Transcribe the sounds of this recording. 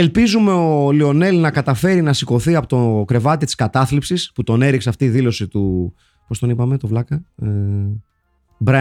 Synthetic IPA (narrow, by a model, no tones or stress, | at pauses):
elpizume̞olio̞ne̞lnɐkɐt̪ɐfe̞ɾinɐsiko̞θiɐpo̞t̪o̞kɾe̞vɐt̪it̪i̥skɐt̪ɐθlipsisput̪o̞ne̞ɾikseɐft̪iːðilo̞sit̪u | po̞st̪o̞nipɐme̞t̪o̞vlɐkɐ | bɾɐ